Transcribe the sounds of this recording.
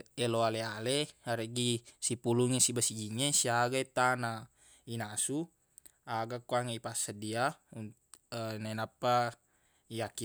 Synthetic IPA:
ɛloalealeaɾeɡisipuluŋesibasid͡ʒiŋesiaɡait̪ana | inasu | aɡakuaŋeipasadiaun | ənanapːa | ijaki

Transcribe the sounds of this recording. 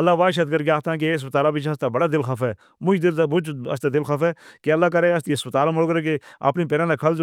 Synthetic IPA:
ɐlːaːʋaːʃət̪̚ɡəɾkaːt̪ãːk̬eɪs̬pət̪aːlãːbɪt͡ʃʰast̪aːbəɽaːd̪ɪlxaːfɛː | mʊ̃id̪ɪlːbʊt͡ʃɐ̰st̪aːd̪ɪlxaːfɛːkeɐlːaːkɐɾeəst̪iəspət̪aːlãməɽɡəɾeːkea̰pnĩːpɛːɾãːnakʰəld͡ʒ

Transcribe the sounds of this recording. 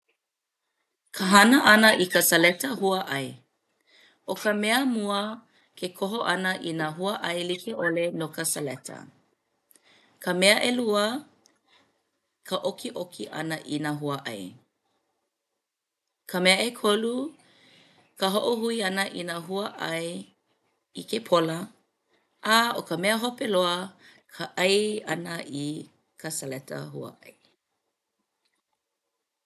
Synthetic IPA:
kʰəɦɐnəʔɐnəʔikəsɐlɛtəhuəʔɐj | okəmeəmuə | kʰekʰoɦoʔɐnəʔinaɦuəʔɐjlikʰeʔolenokəsəlɛtʰə̰ | kʰəmeəʔeluə | kʰəʔokʰiʔokʰiʔɐ̰nəʔinaɦuɐʔɐ̰j | kʰəmeəʔekʰolu | kʰəɦoʔohuiɐnəʔinaɦuəʔɐj | ikepʰolə | ʔaokəmeəɦopeloəkʰəʔɐjɐnəʔi | kʰəsəlɛtə̰ɦuə̰ʔɐ̰j

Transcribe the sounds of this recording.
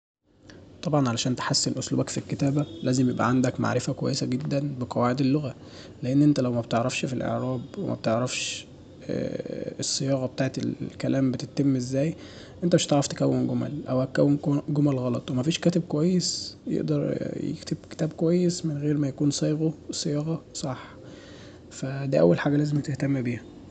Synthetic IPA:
t̪ˤɑbʕɑnʕalæʃæːnt̪e̥ħasːenʔʊslṵːbækfilket̪æːbælæːzemjebʔæ̰ʕand̪ækma̰ʕɾefækowæ̰jːesæɡed̪ːænbeqɑwaːʕed̪elːoɣæ | leʔenːʔent̪ælæwmæbt̪eʕɾˤɑfʃfilʔḛʕɾæːbwḛmʔæ̰b̚t̪eʕɾˤɑfʃ | esˤːejɑːɣɑbet̪aːʕet̪ḛlkælæːmbet̪et̪ːemːʔezːæːj | ʔent̪æmeʃt̪ɑʕɾˤɑft̪e̥kæwːenɡomæ̰lʔæ̰whækæwːenɡomælɣɑlɑt̪ˤwemæfiːʃkæːt̪eb̚kowæjːesjḛʔd̪ɑɾˤjḛkt̪eb̚ke̥t̪æːb̚kowæjːesmenɣeːɾmæjækuːnsˤɑːjɣosˤejɑːɣɑsˤɑħ | fæd̪æːʔæ̰wːælħaːɡælæːzemt̪eht̪æmːbiːhæ

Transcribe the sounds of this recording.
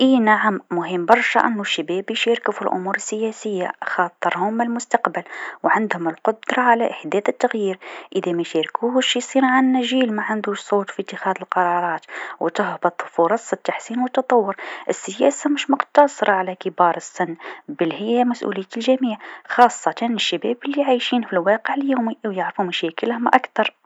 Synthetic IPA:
ʔiːnaʕammʊɦəmːbɑɾˤʃa̰ʔɪnːʊʃːɪbɛːbiʃɑɾkfʊlʔʊ̰muːɾɪsːɪjæsɪjːa̰xɑːt̪ˤːɨɾˤhʊmɪlmʊst̪aqbalwʕand̪hʊmɪlqʊd̪ɾˤɑʕalaʔɪħd̪æːθɪt̪ːaɣjiːɾʔɪðamæʃaɾkʰuːhʃisˤiːɾʕanːæʒiːlmaʕand̪uːʃsˤoːt̪fit̪ːɪxæːðɪlqɑɾˤɑːɾˤɑːt̪wt̪ʊhbɑt̪ˤfʊɾˤɑsˤːət̪ːaħsiːnwət̪ːɑt̪ˤɑwːʊɾʔəsːəjæːsamɪʃmʊqt̪ɑsˤɾˤɑʕalækɪbɑːɾˤɨsːɪnːbəlhɪjːæmæsʔṵlɪjːæt̪lʒæmiːʕxɑːsˤːɑt̪anɪʃːæbæːbɪlːijʕajʃiːnfilwɑːqəʕɪljuːmiwjaʕɾfumæʃɛːkəlhʊmʔakt̪ɑɾˤ

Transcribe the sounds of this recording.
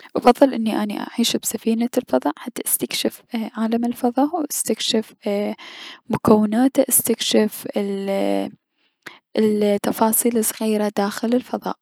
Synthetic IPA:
ʔɑfɑðˤːɨlʔɪnːiʔanḭʔa̰ʕiːʃbsafiːnalfɑðˤɑːʔħat̪ːaʔast̪akʃɪfʕaːlamɪlfɑðˤɑːʔwʔast̪akʃɪf | mʊkawːɪnaːt̪aʔast̪akʃɪf | t̪ːɑfɑːsˤiːlɪsˤɣiːɾad̪aːxɪlɪlfɑðˤɑ̰ːʔ

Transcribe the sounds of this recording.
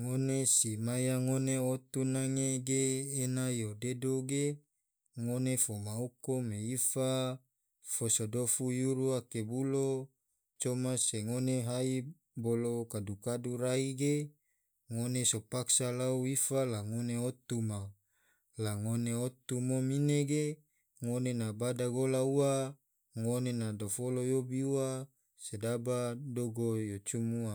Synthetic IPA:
ŋonesimajaŋoneot̪unaŋeɡeːnajodedoɡe | ŋonefomaukomeifa | fosodofujuɾuakebulo | t͡ʃomaseŋoneɦai | bolokadukaduɾaiɡe | ŋonesopaksalauifalaŋoneot̪uma | laŋoneot̪umomineɡe | ŋonenabadaɡolaua | ŋonenadofolojobiuwa | sedabadoɡojot͡ʃumua

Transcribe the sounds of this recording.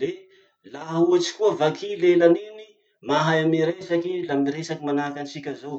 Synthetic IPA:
le | laɦuat͡ʃi̥kuəvakʰilelanini | maɦaamiɾesakilamiɾesakimanaakanisikʲəzow

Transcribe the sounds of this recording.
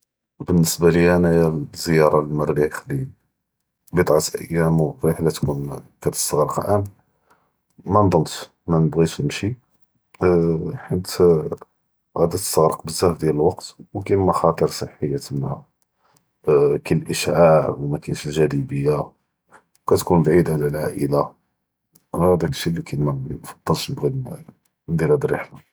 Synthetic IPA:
bənːəsbaləænæjæzːəjɑɾˤɑlmərːixli | bid̪ˤʕɑt̪ʔə̰jːæmwfɾiħlæt̪kunkæt̪ə̥st̪ɑɣɾəqlʔæn | mænd̪ˤəmt̪ | mænəbɣimʃi | ħənt̪ | ɣæd̪æt̪ə̥st̪ɑɣɾəqbəzːæfd̪jæləlwɑqt̪wkæməxɑt̪ˤəɾsˤəħːəjːatəmːæ | kəlːʔəʃʕaʕwmækænʃəlʒæd̪ibəjːa | wkæt̪kunbʕid̪ʕalælʕa̰ʔəla | hæd̪ækəʃilːikʰæmæfɑd̪̥ˤːɑlʃnəbɣi | d̪iɾæd̪ɾḭħla

